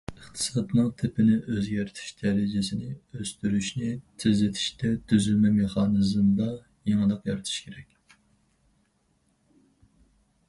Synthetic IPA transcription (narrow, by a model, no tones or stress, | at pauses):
əχt̪ʰɨ̥sɑd̪nɨŋt̪ʰɪpʰɪnɪʔøzɡʲɛɾt̪ʰy̥ʃd̪̥ɛɾɪd͡ʒɪsɪnɪøst̪yɾyʃnɪt̪ʰɪzlɪt̪ʰi̥ʃt̪ɛt̪ʰyzylmɛmeχɑnɨzɨmd̪ɑ | jeŋɨlˠəqjɑɾɨt̪ʰu̥ʃkʲʰeɾɛkʲ